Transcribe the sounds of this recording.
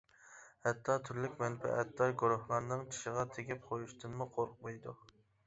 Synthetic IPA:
hɛt̪ʰːɑt̪ʰyɾlykʲmɛnpʰɛ̰ʔɛt̪ʰːɑɡuɾʊhlˠɑɾnɨŋt͡ʃʰi̥ʃəʁɑt̪ʰeɡʲɪp̚qʰojuʃt̪ʰɨnmuqʰoɾq̚mɑjd̪u

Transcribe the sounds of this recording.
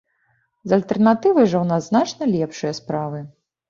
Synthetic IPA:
zɐlʲt̪ɛrnat̪ɨvɐjʐɐwnaznat͡ʂnɐlʲɛpʂɨjɐspɾavɨ

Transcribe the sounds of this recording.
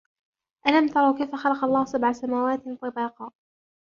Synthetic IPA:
ʔalamt̪ɑɾˤɑwkajfaxɑlɑqɑlˤːɑːhsabʕasamaːwaːt̪t̪ˤɑbɑːqɑː

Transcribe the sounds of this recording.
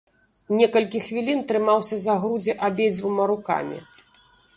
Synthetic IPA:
nʲɛkɐlʲkʲixvʲilʲint̪ɾɨmawsʲɐzaɣɾud͡zʲɛʔabʲed͡zʲvumaɾuka̰mʲḭ

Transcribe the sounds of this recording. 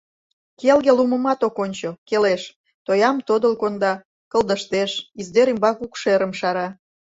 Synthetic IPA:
kelɣeluməmɑt̪okonʲt͡ɕokeleʃ | t̪ojɑmt̪od̪əlkond̪ɑ | kə̆lˠd̪əʃt̪eʃizd̪eɾimbɑkukʃeɾəmʃɑɾɑ

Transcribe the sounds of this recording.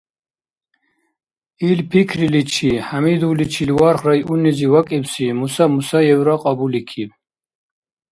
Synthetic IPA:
ilpʰikʰrilit͡ʃʰihamid̪ulit͡ʃʰiliwaɾχɾajuniziwakʼibsimusamusajɛwɾaqʼɑbulikʰib

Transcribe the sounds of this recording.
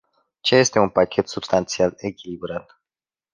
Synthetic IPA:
t͡ʃeje̞st̪e̞unpakʲet̪subst̪ant̪sialekʲilibɾat̪

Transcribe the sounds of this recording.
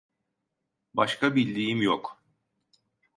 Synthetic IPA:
baʃkabilʲd̪iːjimjok

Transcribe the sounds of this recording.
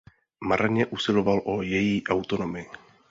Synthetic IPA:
maɾʔaɲɛʔusɪlo̞valʔojɛjiːʔawt̪o̞no̞mɪ

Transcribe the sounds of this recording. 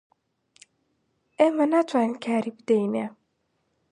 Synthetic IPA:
emanat̪ʰwanɨnkʰaːɾibɨd̪ejme

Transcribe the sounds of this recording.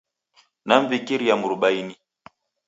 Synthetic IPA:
naɱ̩vikiɾijamuɾuɓaini

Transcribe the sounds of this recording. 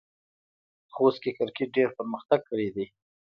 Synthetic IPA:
xost̪̚kekəɾkeʈ̚ɖeɾpəɾməxt̪aɡ̚kəɽed̪i

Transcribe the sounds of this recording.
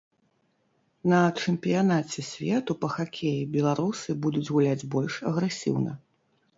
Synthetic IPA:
nɐt͡ʂɛmpʲijanat͡sʲɛsʲvʲɛt̪upɐxakʲʰejibʲɛlˠaɾusɨbud̪ud͡zʲɣulʲad͡zʲbɔlʲʂɐɣɾɛsʲḭwnɐ̰

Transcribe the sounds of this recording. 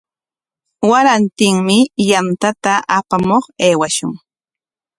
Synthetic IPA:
waɾant̪ɪŋmɪjant̪at̪aʔapamoχeːwaʃʊŋ

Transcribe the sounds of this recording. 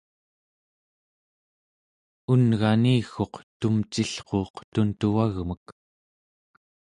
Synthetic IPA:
unɣaniːxo̞qt̪umt͡ʃiɬqo̞ːqt̪unt̪uaɣmək

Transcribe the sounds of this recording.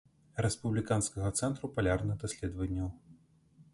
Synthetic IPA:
ɾɛspublʲikanskɐɣɐt̪sɛnt̪ɾupalʲarnɨɣd̪ɐsʲlʲɛd̪vɐnʲːɐw

